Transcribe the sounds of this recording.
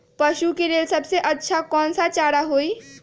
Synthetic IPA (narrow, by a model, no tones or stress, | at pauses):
pəʃukeɾelsəbʱseʔətːʃʰakɔnsat͡ʃaɽaɦoj